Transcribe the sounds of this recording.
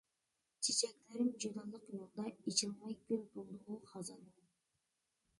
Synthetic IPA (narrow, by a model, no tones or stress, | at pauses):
t͡ʃʰet͡ʃek̚t̪eɾɪmd͡ʒud̪ɑlˠɯqjulˠd̪ɑit͡ʃɯlˠmɑjkøpbolˠd̪uʁuqʰɑzɑnu